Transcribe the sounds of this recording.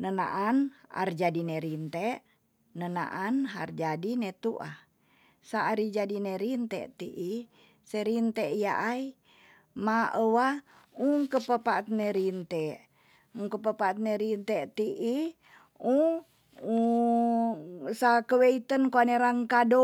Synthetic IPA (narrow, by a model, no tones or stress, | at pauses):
nəna̰ʔana̰rd͡ʒadineɾint̪ɛʔ | nəna̰ʔanɦa̰rd͡ʒadinɛt̪uʔa̰h | saɾid͡ʒadinɛɾint̪ɛ̰ʔt̪iʔi | seɾint̪ɛʔijaʔai | maəwa | uŋkəpəpat̪̚neɾint̪ɛʔ | uŋkəpəpat̪̚neɾint̪ɛʔt̪iʔi | u | u | sakəweit̪ənkoaneɾaŋkado